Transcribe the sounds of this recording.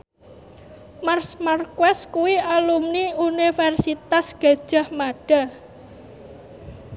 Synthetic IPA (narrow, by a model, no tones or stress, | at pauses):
marsmarkwɛskuwiʔalumniunifɛrsit̪asɡ̥a̤̥ʒ̥a̤hmaɖ̥a̤